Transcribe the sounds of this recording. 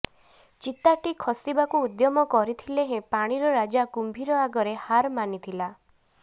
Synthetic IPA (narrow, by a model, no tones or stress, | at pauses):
t͡ʃit̪aʈikʰɔsibakuud̪jɔmɔkɔɾit̪ʰileɦẽpaɽ̃iɾɔɾad͡ʒakumbʱiɾɔaɡɔɾehaɾmanit̪ʰila